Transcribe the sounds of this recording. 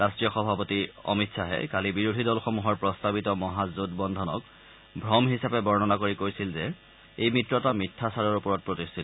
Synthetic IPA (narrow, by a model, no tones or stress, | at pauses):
ɹastɹijɔxɔbʱapotiɔ̰mitsaɦɛ̰kalibiɹodʱidɔlxɔmuɦɔɹpɹɔstabitɔmɔɦazudbɔndʱɔnɔk | bʱɹɔmɦisapɛbɔɹnɔnakoɹikojsilzɛ | ejmitɹɔtamitʰːasaɹɔɹupɔɹɔt̚pɹotistʰitɔ